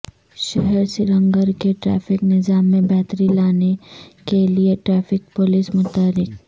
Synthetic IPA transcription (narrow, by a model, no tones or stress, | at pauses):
ʃɛɦɛɾsɪɾə̃ŋɡəɾkeʈɾɛ̰ːfɪknɪzaːmːẽbɛːt̪ɾilaːnekelieʈɾɛːfɪk̚polismʊt̪aːɾɪk